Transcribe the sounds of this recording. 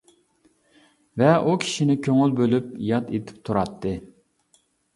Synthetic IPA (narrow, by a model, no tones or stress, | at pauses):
vɛʔukʲʰi̥ʃinɪkʲʰøŋylbølyp̚jɑt̪et̪ʰɪ̥p̚t̪ʰuɾɑt̪ʰːɨ